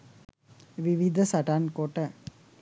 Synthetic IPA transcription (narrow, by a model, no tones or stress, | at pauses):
ʋiʋid̪ʱɐsɐʈankoʈə